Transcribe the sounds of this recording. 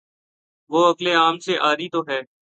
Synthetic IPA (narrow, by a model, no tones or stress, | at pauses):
ʋoːəkleaːmseʔaːɾit̪oːɦɛː